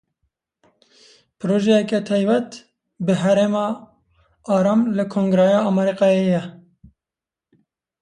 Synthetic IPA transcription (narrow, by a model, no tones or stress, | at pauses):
pʰɨɾoːʒɛjɛkɛt̪ʰɛjbɛt̪ | bɨɦæɾemɑː | ɑːɾɑːmlɨkʰoːŋɡɾɛjɑːɑmɛɾiqɑːejɛ